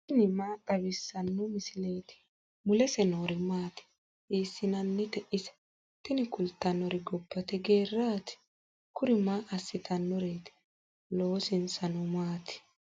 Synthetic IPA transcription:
t̪ɪnɪmaːkʼɐbɪsːɐnːɔmɪsɪleːt̪ɪ̥ | mʊlɛsɛnoːɾɪmaːt̪ɪ̥ | iːsːɪnɐnːɛt̪ɛʔɪsɛ̥ | t̪ɪnɪkʊlt̪ːɐnːɔɾɪɡɔpːɐt̪ɛɡe̞ːrːaːt̪ɪ̥ | kʊɾɪmaːʔɐsːɪt̪ʰɐnːɔɾeːt̪ɪ̥ | loːsɪnsɐnɔmaːt̪ɪ̥

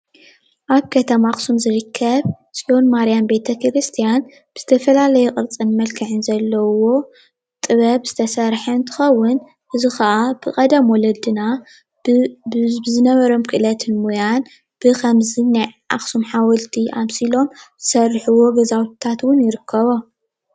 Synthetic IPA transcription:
ʔaβkʰɐt̪ʰɐmaxʼsumzɨɾɨkʰːɐβ | sʼiʔo̞nmaɾijambe̞t̪ʰɐkʰɾɨst̪ʰijan | b̥ɨz̥ɨ̥t̪ʰɐfɐlalɐjuqʼɨɾt͡sʼɨnmɐlkʰɨʕɨnzɐlːɐwo̞ | t̪ʼɨβɐβz̥ɨt̪ʰɐsɐɾħɐnt̪ʰɨ̥xɐwːʊn | ʔɨzuxɐʔab̥ɨkʼɐd̪ɐmwɔlɐd̪ɨna | bɨzɨnɐβɐɾo̞mkʰɨʔɨlɐt̪ʰɨnmojan | b̥ɨkʰɐmzinajʔa̰xsumħawɐlt̪ʰiʔamsilo̞mz̥ɨsɐrːħuwo̞ɡɐzawtt̪ʰat̪wʊnjɪɾɨkʰːɐβo

